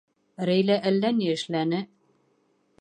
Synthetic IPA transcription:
ɾæjlæʔælːæniɘ̆ʃlænɘ

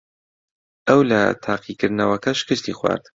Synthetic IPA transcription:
ɐwlɐ̰t̪ʰaːqʰikɨɾd̪nɐwɐkɐʃɪ̥kɨst̪ixwa̰ːɾd̪

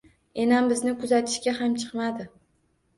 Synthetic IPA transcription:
e̞nambɪznɪkʰʊzat̪ʰɪ̥ʃkʲaɦamt͡ʃʰɨ̥qmad̪ɪ

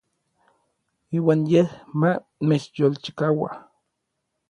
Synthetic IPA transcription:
iːwaːnjehma | met͡ʃjolt͡ʃi̥kawa̰

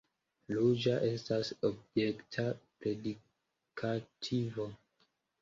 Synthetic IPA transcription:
lud͡ʒaʔe̞stasob̚jektʰapɾe̞di | kʰatʰivo

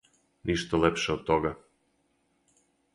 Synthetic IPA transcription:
niʃt̪olepʃeot̪oɣa

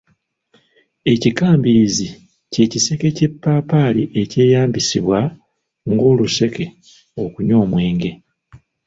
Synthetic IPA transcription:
e̞cikaːmbiɾizi | ce̞cise̞ke̞ce̞pːaːpaːliʔe̞ce̞ːjaːmbisiβwa | ŋɡo̞ːluse̞ke̞ | o̞kuɲo̞ːmwe̞ːŋɡe̞

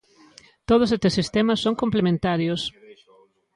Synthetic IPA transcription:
t̪oð̞ʊsest̪esist̪emɐsːoŋkomplemẽnt̪aɾjʊs

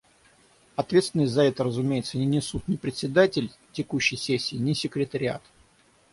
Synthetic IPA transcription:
ɐt̪vʲet̪svɪnəsʲtʲzɐɛt̪əɾəzʊmʲejɪt̪sənʲɪnʲɪsut̪nʲɪpɾʲɪt̪sʲɪd̪atʲɪlʲtʲɪkuɕːɪjsʲesʲːɪːnʲɪsʲɪkɾʲɪt̪əɾʲɪa̰t̪

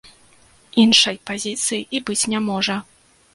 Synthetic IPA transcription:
inʂɐjpazʲit̪sɨjiʔibɨt͡sʲnʲɛmɔʐɐ

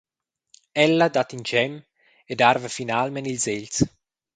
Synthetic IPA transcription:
ɛlːad̪at̪int͡ʃɛm | ed̪arvefinalmenilzels

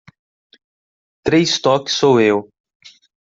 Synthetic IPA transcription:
t̪ɾejst̪ɔksowew

